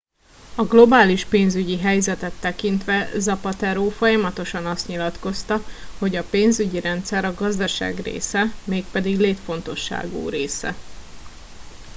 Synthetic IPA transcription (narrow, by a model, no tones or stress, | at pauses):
ɒɡlo̞baːliʃpeːnzyɟiɦɛjzɛt̪ɛt̪ːɛkint̪ʋɛzɒpɒt̪ɛɾoːfo̞jɒmɒt̪o̞ʃɒnɒst̪ɲilɒt̪ko̞st̪ɒho̞ɟɒpeːnzyɟiɾɛnt̪sɛɾɒɡɒzd̪ɒʃa̰ːɡrḛːsɛmeːk̚pɛd̪iɡleːt̪fo̞nt̪o̞ʃːa̰ːɡo̰ːɾeːsɛ̰